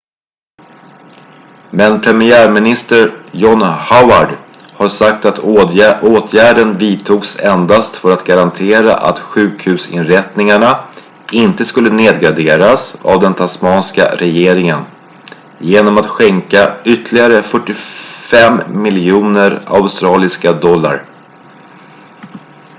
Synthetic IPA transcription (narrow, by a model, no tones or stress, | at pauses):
mɛnpʰɾɛmɪæːɾmɪnɪst̪əɾjɔnhaʊaɖ | haʂak̚t̪at̪ʰʔoːt̪ʰjæːɖənviːt̪ʰuːɡsɛnd̪ast̪fœɾat̪ɡaɾant̪ʰeːɾa̰ʔa̰t̪ɧʉ̟ːkhʉ̟ːsɪ̰nɾɛt̪nɪŋaɳa | ɪnt̪əskɵlːəneːd̪̚ɡɾaɖ̪eːɾasa̰vd̪ɛnt̪ʰaspɑːnska̰ɾɛjeːɾɪŋən | jeːnɔmat̪ɧɛŋkaʏt̪ʰlɪɡaɾəfœʈːɪfɛmːɪljuːnəɾa̰ʊst̪ɾɑːlɪskad̪ɔlːa̰ɾ